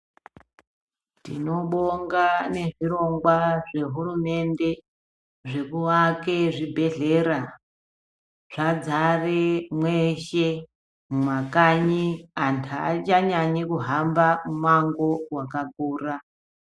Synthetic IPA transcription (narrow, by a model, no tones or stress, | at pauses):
tḭno̞ɓoŋɡane̞ʐiro̞ŋɡwaʐe̞ɦurume̞nde̞ | ʐe̞kuʋakeʐibʱe̞ɮeɾa | ʐ̥ad͡zaremweʃe | mumwakaɲiantʰat͡ʃaɲaɲekuɦambamumaŋɡo̞wakak̚uːra